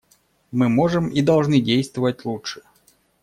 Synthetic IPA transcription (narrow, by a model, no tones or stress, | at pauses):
mɨmɔʐɨmid̪ɐlˠʐnɨdʲejst̪vəvət̚ʲlˠutʂɨ̥